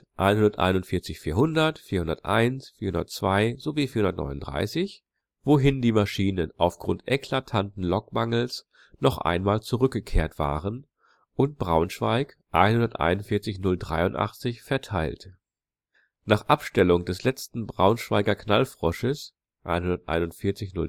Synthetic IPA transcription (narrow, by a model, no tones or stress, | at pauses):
ʔa̰ɪnhʊndɐtʔa̰ɪnʊntfɪɐt͡sɪçfiːɐɦʊndɐtfiːɐhʊndɐtʔa̰ɪnsfiːɐhʊndɐ̰t͡sv̥aɪzoviːfiɐhʊndɐtnɔ̰ʏnʊndʁa̰ɪsɪç | v̥oɦɪndiːmaʃiːnənʔa̰ʊfɡ̥ʁʊntʔɛkʰl̥atʰantn̩lɔkmaŋl̩s | nɔχʔa̰ɪnmaːlt͡suʁʏk̚ɡ̥əkʰeːɐtv̥a̰ːʁən | ʔʊntb̥ʁaʊnʃv̥a̰ɪk | ʔa̰ɪnhʊndɐtʔa̰ɪnʊntfɪɐt͡sɪçnʊldʁa̰ɪʊntʔa̰χt͡sɪçfɛɐtʰaɪlt | naːχʔapʃtɛlʊŋdɛslɛt͡stn̩bʁaʊnʃv̥a̰ɪɡɐkʰnalfʁ̥ɔʃəs | ʔa̰ɪnhʊndɐtʔa̰ɪnʊntfɪɐt͡sɪçnʊ̰l